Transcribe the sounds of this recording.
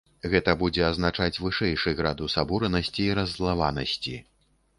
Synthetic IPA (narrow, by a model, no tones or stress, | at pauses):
ɣɛt̪ɐbud͡zʲɛɐznat͡ʂat͡sʲvɨʂɛjʂɨɣɾad̪usabuɾɐnɐsʲt͡sʲiːɾɐzlˠavanɐ̰sʲt͡sʲi